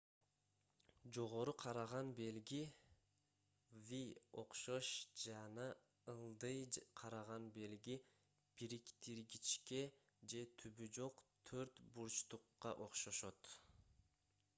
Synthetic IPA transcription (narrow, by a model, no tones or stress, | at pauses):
d͡ʒo̞ʁo̞ɾuqʰɑɾɑʁɑnbe̞lɡi | vio̞̰qʃo̞ʃd͡ʒɑnɑ | ɯlˠd̪ɯjqʰɑɾɑʁɑnbe̞lɡi | b̥iɾikt̪iɾɡit͡ʃke̞ | d͡ʒe̞t̪ʰybyd͡ʒo̞qt̪ʰøɾt̪buɾt͡ʃt̪uqːɑ̰ʔo̞qʃo̞ʃo̞t̪